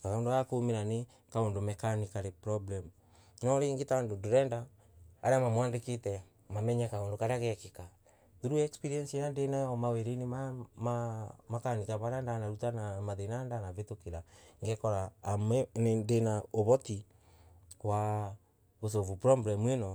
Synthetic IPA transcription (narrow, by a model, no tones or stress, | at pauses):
kaɣaondoakomeɾane | kaondomɛkanikaɾepɾɔblɛmu | nɔɾeŋɡetandodoɾɛndaː | ɾeamamwaːndeketɛ | mamɛɲɛkaondokaɾeaɣɛkeka | ðuɾuɛkspiɾiɛnsiajandenajɔmaweɾenemamamakanikaβaɾandanaɾutanamaðenandanavetokeɾaŋɡɛkɔɾaːmɛnendenaoβɔti | wa | ɣosovupɾɔblɛmuenɔ